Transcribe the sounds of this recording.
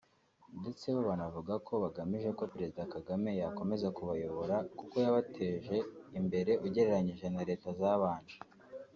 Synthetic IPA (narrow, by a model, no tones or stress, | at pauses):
nde̞t͡se̞βoβanavuɡakʰo̞βaɡamiʒe̞ko̞peɾe̞zidakaɡame̞jako̞me̞zakuβajo̞βo̞ɾakuko̞jaβatʰe̞ːʒe̞imbe̞ɾe̞ʔuɟe̞ɾe̞ɾaɲiʒe̞naɾe̞ːtazaβaːɲd͡ʒe̥